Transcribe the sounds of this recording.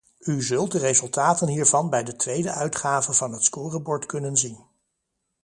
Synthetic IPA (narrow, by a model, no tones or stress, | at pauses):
yzɵlˠt̚dərezɵlˠtaːtənɦiːɹvɑnbɛjdətʋejdəʔœɥtχaːvəvɑnɦətskʊːrəbɔɹtkɵnənzin